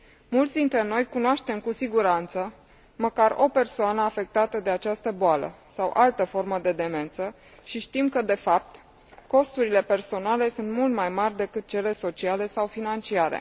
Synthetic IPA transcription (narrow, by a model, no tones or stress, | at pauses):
mult̪sd̪int̪ɾe̞no̞jkunoaʃt̪e̞mkusiɡuɾant̪sə | məkaro̞pe̞rsoanəafe̞k̚t̪at̪əd̪e̞at͡ʃast̪əboalə̰sawʔalt̪əfo̞rməd̪e̞d̪e̞me̞nt̪sə | ʃiʃt̪imkəd̪e̞fap̚t̪ | ko̞st̪uɾile̞pe̞rso̞nale̞sunt̪mult̪majmarʲd̪e̞kɨt̪̚t͡ʃe̞le̞so̞t͡ʃiale̞sawfinant͡ʃiaɾḛ